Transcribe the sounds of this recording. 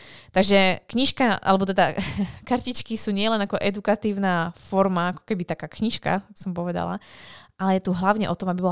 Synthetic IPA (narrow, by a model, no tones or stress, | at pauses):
t̪aɡʒɛkɲiʃkaʔa̰lɛbɔt̪ɛd̪akaɾcit͡ʃkisuːɲɪɛlɛnakɔʔɛd̪ukat̪iːʊnaːfɔɾmaakɔ̥kɛbit̪akaːkɲiʃka̰sɔmpɔʋɛd̪a̰la̰ʔalɛjɛt̪uɦlaʊɲɛ̰ʔɔt̪ɔmabibɔla